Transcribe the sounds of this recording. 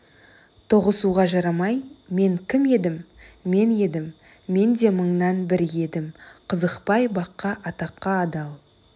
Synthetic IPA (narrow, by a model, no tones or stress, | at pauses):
t̪ʰoʁəsuʁɑʒɑɾɑmɑjme̞ŋkʲʰɪme̞d̪ɪmːe̞ne̞d̪ɪmː | e̞nd̪e̞məɴnɑnbɪɾje̞d̪ɪmqʰəzəqpɑjbɑqːɑʔɑt̪ɑqːɑːd̪ɑlˠ